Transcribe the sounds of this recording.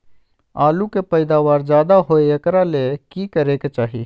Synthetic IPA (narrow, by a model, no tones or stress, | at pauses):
aːlukepəɪd̪aːʋaːɾd͡ʒjaːd̪aɦoeɐkɾalekikəɾeket͡ʃaːɦḭː